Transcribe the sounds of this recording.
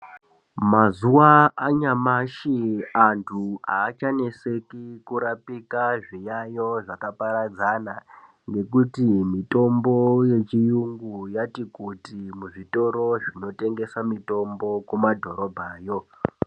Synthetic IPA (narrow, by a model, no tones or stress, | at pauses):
mazuwaːɲamaʃiantʰuaːt͡ʃane̞se̞kikuɾapikaʐijajo̞ʐakapaɾad͡zana | ŋɡe̞kutimito̞mbo̞jet͡ʃijuŋɡujatikutimuʐito̞ɾo̞ʐino̞te̞ŋɡe̞samito̞mbo̞kumadʱo̞ɾo̞bʱaːjo̞